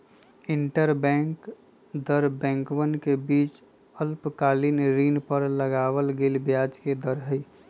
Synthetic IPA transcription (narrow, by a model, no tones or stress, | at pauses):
iɳʈəɾbɛ̃ŋk | d̪əɾbɛ̃ŋkwənkebiːt͡ʃ | əlpkalinɾinpəɾləɡawəlɡelbjad͡ʒked̪əɾɦəj